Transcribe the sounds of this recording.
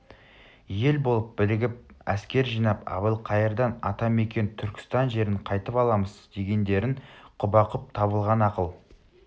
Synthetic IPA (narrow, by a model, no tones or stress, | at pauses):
je̞lbo̞lˠəp̚bɪlɪɡʲɪp̚æ̰skʲe̞ɾʒijnɑpɑ̰bəlˠqʰɑjəɾd̪ɑnɑt̪ɑme̞kʲe̞nt̪ʰʏɾkʲɪ̥st̪ɑnʒe̞ɾɪɴqʰɑjt̪əpɑlˠɑməzd̪e̞ɡʲe̞nd̪e̞ɾɪɴqʰʊbɑqəp̚t̪ʰɑβəlˠʁɑnɑqəlˠ